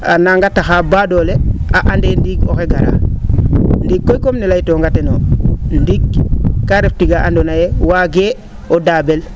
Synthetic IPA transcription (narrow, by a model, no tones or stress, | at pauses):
a̰naŋɡataxaːbadoleaʔandendiɡoxeɡaɾa̰ | ndikːojkomnelajtoːŋɡatenondiɡkːaɾeftiɡaandonajewaɡe | odaːbel